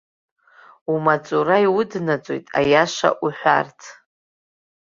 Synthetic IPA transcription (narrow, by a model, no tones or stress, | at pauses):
umat͡sʼuɾajwʊdnat͡sʼojtʼa̰jaʃa̰ʔuħʷᶣa̰rtʰ